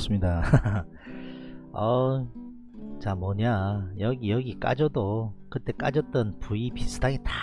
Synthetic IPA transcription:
s͈ɯmɲida | ʌ | t͡ɕamʌɲajʌɡijʌɡik͈a̰d͡ʑʌdokɯt͈e̞k͈a̰d͡ʑʌt̚t͈ʌnpuipis͈ʰɯdaɡeta

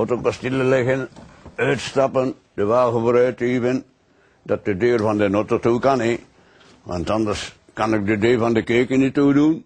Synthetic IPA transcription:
otokɔstiləlɪɣənœɥtstɑpən | d̥əʋaːɣəvəɾœɥtiːvən | dɑt̚dədøːrvɑndənotətukɑnɪ | ʋɑ̰ntɑndərs | kɑnɪk̚dədøːvɑndəkøːkənituːdun

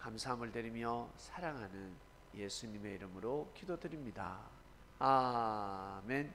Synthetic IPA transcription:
kamsʰaɦamɯɭdɯɾimjʌsʰaɾaŋɦanɯn | je̞sʰuɲime̞iɾɯmɯɾokidodɯɾimɲida̰ | a | men

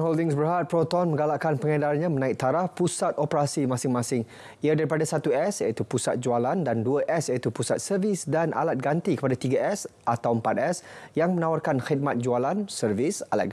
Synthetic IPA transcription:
nɦoldɪŋsbəɾɦat̪̚pəɾot̪oanmə̃ŋɡalaʔkanpəŋədalaɲãmənãɪk̚t̪aɾahpusat̪opəɾasimãsɪŋmãsɪŋ | iadaɾipadasat̪uɛsjait̪upusat̪̚d͡ʒualandanduəʔɛsjait̪upusat̪̚sərvɪsdanʔa̰lat̪̚ɡant̪ikəpadat̪iɡaʔɛsʔat̪awəmpat̪̚ɛsjaŋmə̃nawarkanxid̪̚mat̪̚d͡ʒualansərvɪsala̰t̪̚

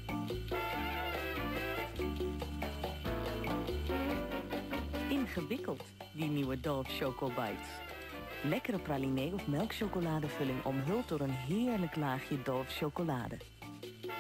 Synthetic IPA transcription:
ɪnχəʋɪkəlˠt | diniwədɔɹfʃowkoba̰jts | lɛkəɾəpralinejɔfmɛlˠkʃowkolaːdəvɵlɪŋʔɔ̰mɦɪlˠtdɔɾənɦɪːɹləklaːχjədɔɹfʃowkola̰ːdə

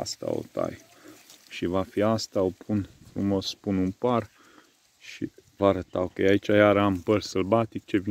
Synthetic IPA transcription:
a̰st̪a̰o̰t̪a̰j | ʃivafiast̪aopʰunfɾumo̞spununpar | ʃḭvaɾət̪a̰okəjait͡ʃajaɾampərsəlbat̪ik̚t͡ʃevi

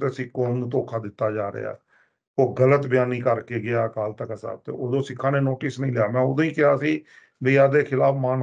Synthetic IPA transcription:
t̪eːsĩːkːoːnũːt̪oːkʰaːd̪ɪt̪ːaːd͡ʒaːɾə̰a̰ː | oːɡələt̪bjaːniːkəɾkeːɡɪaːkaːlt̪əkəsa̰ːb̚t̪ḛːoːd̪õːsɪkʰːãːneːnoːʈɪsnəĩːlɪjaːmɛ̃ːod̪õːĩːkɪaːsiː | bəiːaːd̪eːkʰɪlaːpmaːn

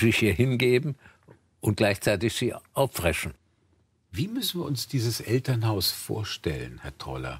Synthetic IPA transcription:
ziçiːɐhɪnɡeːbm̩ | ʊnt̚ɡ̥laɪçt͡saɪtɪçz̥iːʔaʊfv̥ʁɛʃn̩ | viːmʏsn̩viːɐʊnsd̥iːzəsʔɛltɐnhaʊsfo̰ːɐʃtɛlə̰nhɛɐtʁ̥ɔ̰lɐ̰

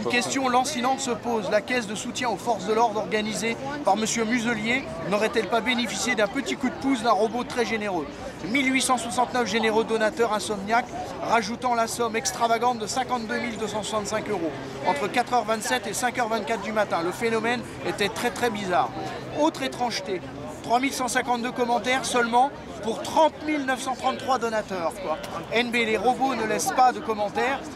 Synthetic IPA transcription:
ynkʲɛst̪jɔ̃lɑ̃silɑ̃t̪səpozlakʲɛs̬d̪əsut̪jɛ̃ofɔʁsd̪əlɔʁd̪ɔʁɡanizepaʁməsjømyzəlje | nɔʁɛt̪ɛlpabenefisjed̪ɛ̃pət̪ikud̪̚pusd̪ɛ̃ʁɔbot̪χɛʒeneʁø | milɥisɑ̃swasɑ̃t̪nœfʒeneʁod̪ɔnat̪œʁɛ̃sɔmnjak | ʁaʒut̪ɑ̃lasɔmɛkst̪χavaɡɑ̃t̪̚d̪əsɛ̃kɑ̃t̪̚d̪ømild̪øsɑ̃swasɑ̃t̪sɛ̃køʁo | ɑ̃t̪χəkat̪χœʁvɛ̃nt̪sɛt̪esɛ̃kœʁvɛ̃t̪̚kat̪̚d̪ymat̪ɛ̃ləfenɔmɛn | et̪ɛt̪χɛt̪χɛbizaːʁ | ot̪χet̪χɑ̃ʒt̪e | t̪χwamilsɑ̃sɛ̃kɑ̃t̪̚d̪økɔmɑ̃t̪ɛʁsœlmɑ̃ | puʁt̪χɑ̃t̪milnəfsɑ̃t̪χɑ̃nχwad̪ɔnat̪œʁkwaɛnbeleʁɔbonəlɛspad̪əkɔmɑ̃t̪ɛːʁ

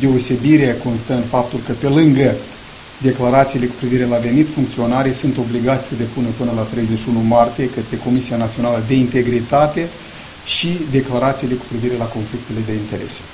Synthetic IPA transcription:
d̪e̞ose̞biɾeeko̞nst̪əənfap̚t̪ulkəpe̞lɨŋɡə | d̪e̞klaɾat̪siːle̞ku̥pɾiviɾe̞lave̞nit̪fuŋk̚t̪sio̞naɾijsunt̪o̞bliɡat̪sʲsəd̪e̞punəpɨnəlat̪ɾe̞jze̞ʃiunumart̪ije̞kət̪ɾe̞ko̞misijanat̪sio̞naləd̪e̞int̪e̞ɡɾit̪at̪e̞ | ʃid̪e̞klaɾat̪siːle̞ku̥pɾiviɾe̞lako̞nflik̚t̪e̞le̞d̪e̞int̪e̞ɾe̞̰se̥

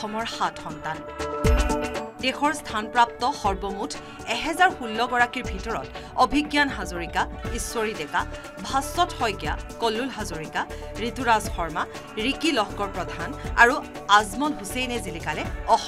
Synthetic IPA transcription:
ɔmɔɹxatxɔntan | dexɔɹstʰanpɹap̚tɔxɔɹbɔmutʰ | ɛɦɛzaɹxulːɔɡɔɹakiɹbʱitɔɹɔ̰t | ɔbʱiɡjanɦazoɹikaiswoɹidɛka | bʱasɔthɔjkija̰kɔlːulɦazoɹika | ɹituɹazxɔɹma | ɹikilɔxkɔɹpɹɔdʱana̰ɹu | azmɔnɦusejnɛzilikalɛɔx

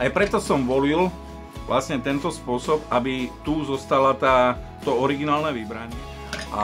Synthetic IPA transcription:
ajpɾɛt̪ɔsɔmʋɔlil | ʋlʔa̰sɲɛt̪ɛnt̪ɔspʊɔsɔpabit̪uzɔst̪alat̪aː | t̪ɔɔɾiɡinaːlnɛʋibɾaɲɪɛ | ʔa̰

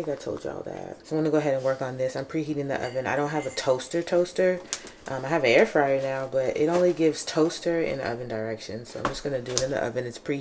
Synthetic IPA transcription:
ɪ̃ŋkaɪtʰoʊlˠd͡ʒə̰ɔ̰lˠðæ̰t̚wʌ̃nɨɡoʊəɦɛɾɨ̃nwɜ˞kn̩ðɪsãɪ̃mpʰiɾihiɾɪ̃ŋðḭʔʌ̰vɨ̃na̰ɪɾõʊ̃nɦɨvɨtʰoʊstə˞tʰoʊstə˞ | ʔʌ̃maɪɨvɨnɛɹfɹaɪə˞naʊbʌɾɪ̰ɾõʊ̃nliɡɪvz̥tʰoʊstə˞ɪ̰̃nðḭʔʌ̰vɨ̃ndə˞ɛkʃɨ̰̃nsoʊã̰ɪ̃md͡ʒʌsɡ̥ʌnɨdɨɨɾɨ̃nðḭʔʌ̰vɨ̃nɨtspʰɹ̥ii

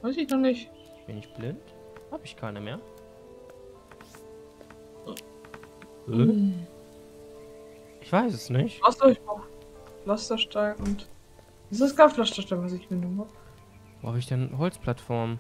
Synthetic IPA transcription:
vaɪsɪçnɔχnɪç | ɪçb̥ɪnɪçt̚b̥lɪnt | haːbəɪçkʰaɪnəmeːɐ | ʔɪçv̥aɪsɛsnɪçtastɐɪç̥aflastɐʃtaɪʊnt | ʔɪsd̥asɡ̥aːflastɐʃtaɪvas̬ɪçmɪnumap | voːhabəɪçd̥ɛnhɔlt͡spʰl̥atfɔɐm

